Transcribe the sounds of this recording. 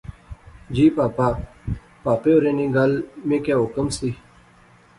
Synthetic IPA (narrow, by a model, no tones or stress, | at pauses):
d͡ʑiːpaːpaː | paːpeoɾeːnĩːɡalmẽːkaːɦʊkəmsi